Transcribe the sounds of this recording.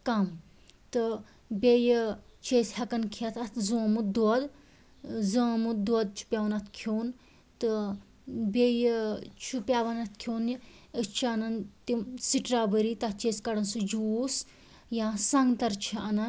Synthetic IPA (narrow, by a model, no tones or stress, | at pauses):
kɐm | t̪ɨ | bʲejt͡ʃeːshɐkɐnkʰiɐt̪ʰɐt̪ʰzõːmud̪wɐd̪ | zəːmud̪wɐd̪̚t͡ʃʰu̥pʲaʋɐnɐt̪kʰoːn | t̪ɨ | bejt͡ʃʰupʲjaːʋɐnɐt̪̚ʰkʰjoːnjiət͡ʃʰiɐnɐnt̪imsiʈɾaːbəɾit̪ɐt̪t͡ʃeskɐɽɐnsɨd͡ʒuːs | jãːsɐŋɡt̪ɐɾt͡ʃʰiɐnɐn